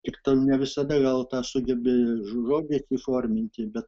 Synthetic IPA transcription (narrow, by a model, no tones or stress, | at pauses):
kʲɪkt̪ɐnʲɛʋʲɪsɐd̪ɐɡɐlˠt̪ɑːsʊɡʲɛbʲɪʒʒoːd̪ʲeːsʲiːfoːrʲmʲɪnʲt̪ʲɪbʲɛt̪